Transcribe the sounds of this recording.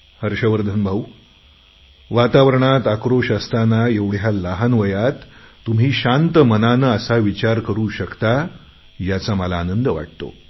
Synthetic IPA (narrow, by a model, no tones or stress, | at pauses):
həɾɕəʋəɾd̪ʱənbʱaʋ | ʋat̪aʋəɾɳat̪akɾoɕəst̪anaeʋɽ̤jaləɦanʋəjat̪ː | um̤iːɕant̪əmənanəəsaʋit͡ɕaɾkəɾuːɕəkt̪a | jat͡saməlaːnənd̪əʋa̰ʈ̚t̪o̰